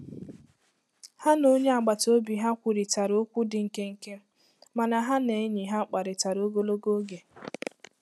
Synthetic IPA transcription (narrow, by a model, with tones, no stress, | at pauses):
ha˦no˦ɲe˦a˨ɡ͡ba˨to˦bi˨ɦa˦kʷu˨ɾi˨ta˨ɾo˦kʷu˦dɪ˨ŋ̩˨ke˦ŋ̩˦ke˦m̩˦ | ma˨na˨ɦa˦ne˨˦ɲi˨ɦa˦k͡pa˨ɾɪ˨ta˨ɾo˦ɡo˦lo˦ɡo˦ɡe˨